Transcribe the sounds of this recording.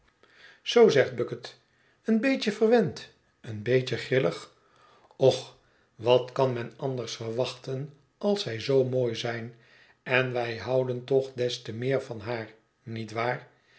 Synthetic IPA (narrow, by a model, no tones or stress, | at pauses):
z̥owzɛχd̚bɵkət | ənbejcəvərʋɛnt | ənbejcəχrɪləχ | ɔχ | ʋɑtkɑnmɛnɑndəɹsfərʋɑχtən | ɑlˠsɛjzowmoːjzɛjn | ɛnʋɛjɦɑwdəntɔχdɛstəmɪːɹvɑnɦaːɹ | nitʋaːr